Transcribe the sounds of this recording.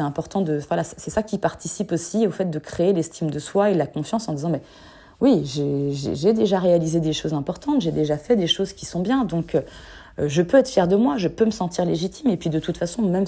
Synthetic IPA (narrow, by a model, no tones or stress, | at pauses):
ɛɛ̃pɔʁt̪ɑ̃d̪əvwalassɛsakʲipaʁt̪isiposiofɛt̪̚d̪əkχeːlɛst̪ʰimd̪əswaelakɔ̃fjɑ̃sɑ̃d̪izɑ̃mɛ | wiʒeʒḛʒed̪eʒaʁealized̪eʃozɛ̃pɔʁt̪ɑ̃t̪ʒed̪eʒafɛd̪eʃozkʲi̥sɔ̃bjɛ̃d̪ɔ̃kø | ʒəpøɛt̪χfjɛʁd̪əmwaʒəpøməsɑ̃t̪iʁleʒit̪ʰimepɥid̪ət̪ut̪fasɔ̃mɛm